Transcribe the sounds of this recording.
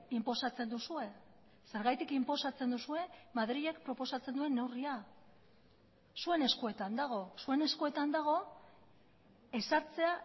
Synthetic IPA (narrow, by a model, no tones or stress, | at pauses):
impo̞sat͡se̞nd̪usue̞ | se̞ɾɣajt̪ikimpo̞sat͡se̞nd̪usue̞maðɾiʎe̞kpɾo̞po̞sat͡se̞nd̪ue̞nːe̞wria | sue̞ne̞skue̞t̪and̪aɣ̞o̞sue̞ne̞skue̞t̪and̪aɣ̞o̞ | e̞saɾt͡se̞a